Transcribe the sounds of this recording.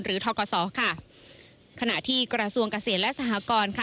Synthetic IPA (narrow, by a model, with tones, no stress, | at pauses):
nɾɯː˩˦t̪ʰɔː˧kɔː˧sɔː˩˦kʰa˥˩ | kʰa˧na˨˩ʔt̪ʰiː˥˩kɾa˧su˧əŋka˧seː˨˩˦t̪̚lɛ˦˥ʔsa˧ɦa˨˩˦kɔː˧nkʰa˥˩